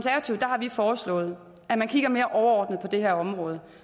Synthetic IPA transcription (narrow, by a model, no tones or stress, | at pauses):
nsæɐʋæt͡sʰiʊð̥ˠd̥ɑ̈hɑ̈ʋifɒːslɔ̰̽ːð̞̩ˠ | æmænkʰiɡ̥ɐme̝ːɐʔɒʊɐɒːd̥nð̞̩ˠpʰɒ̽d̥e̝ɦeɐ̰ɒ̽mʁɔ̽ːð̞ˠə